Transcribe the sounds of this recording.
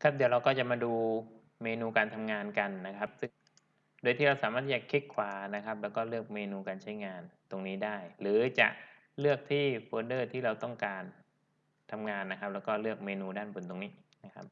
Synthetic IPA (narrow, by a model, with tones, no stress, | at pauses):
kʰa˦˥p̚d̪i˨˩˦wɾa˧wkɔː˥˩t͡ɕa˨˩maː˧duː˧ | meː˧nuː˧kaː˧nt̪ʰa˧mŋaː˧nka˧nːa˦˥kʰa˦˥p̚sɯ˥˩ŋ | doː˧j̪ʰiː˥˩ɾa˧wsaː˨˦maː˥˩t̪ʰːiː˥˩t͡ɕa˨˩kʰe˦˥˩kʰwaː˨˧˩na˦˥kʰa˦˥p̚lɛː˦˥wkɔː˥˩lɯ˥˩ək̚meː˧nuː˧kaː˧nt͡ɕʰa˦˥jŋaː˧nt̪o˧ŋniː˦˥daː˥˩jlɯː˩˦t͡ɕa̰˨˩ʔ | lɯ˥˩ək̚t̪ʰiː˥˩foː˧ndɤː˥˩t̪ʰiː˥˩ɾa˧wt̪ɔ˥˩ŋkaː˧n | t̪ʰa˧mŋaː˧nːa˦˥kʰa˦˥p̚lɛː˦˥wkɔː˥˩lɯ˥˩ək̚meː˧nuː˧daː˥˩nbʰo˨˩˦nt̪o˧ŋniː˦˥ʔ | na˦˥kʰa˦˥p̚